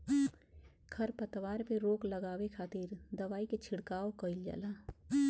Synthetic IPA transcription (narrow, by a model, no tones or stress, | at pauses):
kʰɐɾpət̪ʋaːɾpeɾoːklɐɡaːwekʰaːt̪iːɾd̪ɐʋaːiket͡ʃʰɪɽkaːokəild͡ʒa̰ːlaː